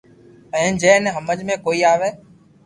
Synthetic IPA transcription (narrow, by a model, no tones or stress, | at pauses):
pəɛ̃nd͡ʒɛ̃ːnɛɦəməd͡ʒmẽːkoːiːaːʋeː